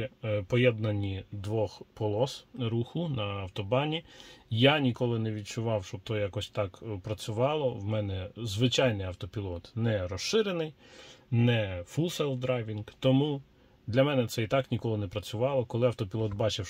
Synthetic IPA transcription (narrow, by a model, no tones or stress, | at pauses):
pɔjɛd̪nɐnʲid̪ʋɔxpɔlˠɔsɾuxʊnɐɐwt̪ɔbɑnʲijanʲikɔlˠɪnɛʋʲid̚t͡ʃʊʋɑwʃt͡ʃɔb̚t̪ɔjɑkɔsʲt̪ɑkpɾɐt͡sʲʊʋɑlˠɔwmɛnɛzʋɪt͡ʃɑjnɪjɐwt̪ɔpʲilˠɔt̪nɛɾɔʃɪɾenɪjnɛfulˠsɛlˠfd̪ɾɑjʋʲinkt̪ɔmu | d̪lʲɐmɛnɛt̪sɛit̪ɑknʲikɔlˠɪnɛpɾɐt͡sʲʊʋɑlˠɔkɔlˠɪɐwt̪ɔpʲilˠɔt̪bɑt͡ʃɪw